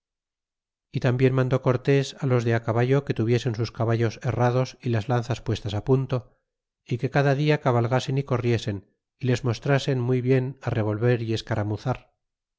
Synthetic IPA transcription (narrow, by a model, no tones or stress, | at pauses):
it̪ambje̞nmãnd̪o̞ko̞ɾt̪e̞salo̞zðe̞akaβaʝo̞ke̞t̪uβ̞je̞se̞nsuskaβaʝo̞se̞rað̞o̞silazlanθaspwe̞st̪asapunt̪o̞ | ike̞kaðaðiakaβalɣase̞niko̞rje̞se̞n | ile̞zmo̞st̪ɾase̞nmujβje̞nare̞β̞o̞lβe̞ɾie̞skaɾamuθaɾ